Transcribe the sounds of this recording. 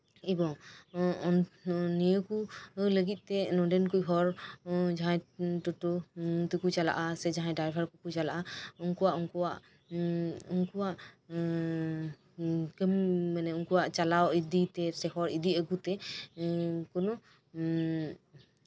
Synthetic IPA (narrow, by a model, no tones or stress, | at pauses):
ibɔ | ɔnnijəkuləɡit̪̚ˀt̪ɛnɔdɛnkujɦɔɾd͡ʒaɦãjtɔʈut̪ukut͡ʃala̰ʔasɛd͡ʒaɦãjdajpʰaɾkukut͡ʃalaʔauŋkɔwaʔɔŋkɔwaʔ | ɔŋkɔwaʔ | kəmmanɛuŋkuwaʔt͡ʃalawid̪it̪ɛsɛhɔɾid̪iəɡut̪ɛ | kɔnɔ